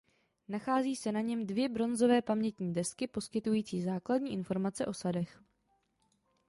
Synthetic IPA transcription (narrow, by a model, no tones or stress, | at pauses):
naxaːziːsɛnaɲɛmdvjɛbɾo̞nzo̞vɛːpamɲɛt̪ɲiːdɛskɪpo̞skɪt̪ujiːt͡siːzaːkladɲiːʔɪnfo̞ɾmat͡sɛʔo̞sadɛx